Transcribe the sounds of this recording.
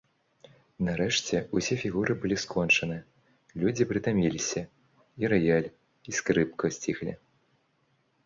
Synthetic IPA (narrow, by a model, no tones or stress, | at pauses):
naɾɛʂt͡sʲɛusʲɛfʲiɣuɾʔɨbɨlʲiskʰɔnt͡ʂɐnɨ | lʲud͡zʲipɾɨt̪amʲilʲisʲɐ | iɾɛjalʲ | iskɾɨpkɐsʲt͡sʲixlʲḭ